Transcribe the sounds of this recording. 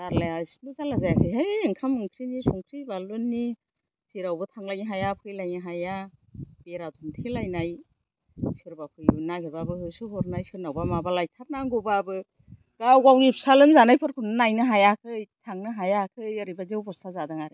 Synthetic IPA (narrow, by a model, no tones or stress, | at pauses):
daɾlaajsnuzalazajakʰɯjɦajɯŋkʰamːɯŋkʰɾinisɔŋkʰɾibalonːi | siɾawbɯtʰaŋlajŋiɦajapʰɯjlajŋiɦajabeɾatʰumtʰilajnaj | sɯɾbapʰɯjnaɡibabɯhɯsɯɦɔɾnajsɯɾnawbamabalajtʰaɾnaŋɡɔbabɯ | ɡ̥awɡawip̚salɯmzanajpʰɯɾkʰunɯnajnɯɦajakʰɯjtʰaŋnɯɦajakʰɯjaɾibazewbʰɔstazadaŋaɾɯ